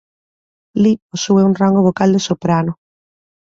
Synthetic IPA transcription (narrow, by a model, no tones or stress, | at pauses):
liposueunraŋɡoβokald̪esopɾano